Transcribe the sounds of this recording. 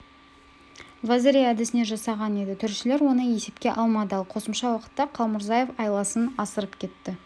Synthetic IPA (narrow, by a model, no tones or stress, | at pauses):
vˠazʲeɾijæd̪ɪsɪne̞ʒɑsɑʁɑne̞d̪ɪt̪ʰʏɾʃɪle̞ɾwo̞nəje̞se̞pkʲe̞ʔɑlˠmɑd̪əɑlˠqʰo̞səmʃɑwɑqə̥t̪ːɑqʰɑlˠmʊɾzɑje̞fɑjlˠɑsənɑsəɾəpkʲʰe̞t̪ːɪ